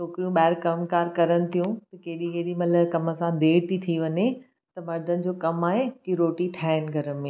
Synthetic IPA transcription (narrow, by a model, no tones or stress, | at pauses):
t͡ʃoːkɾijũɓaːɪɾkɐmkaːɾkɐɾənɪ̆t̪ʰijũt̪ɐkeːɗikeɦɗimɐləkɐmə̆sãd̪eːɾt̪ʰit̪ʰiʋɐɲe | t̪ɐmɐɾd̪ʱənɪ̆d͡ʑoːkɐmaːɦekiɾoːʈiʈʰaːɪɽ̃ɡʱɐɾə̆mẽː